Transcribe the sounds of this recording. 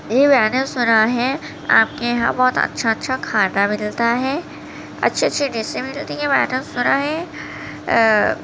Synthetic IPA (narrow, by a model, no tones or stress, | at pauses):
jeʋɛːnesʊnaɦɛ | a̰ːp̚keɦã̰bɔːt̪ɐ̰tːʃʰaətːʃʰakʰaːɖamɪlt̪aɦɛː | ɐ̰tːʃʰeɐtːʃʰiɖɪsemɪlt̪ijeʋɛːnesʊnaɦɛ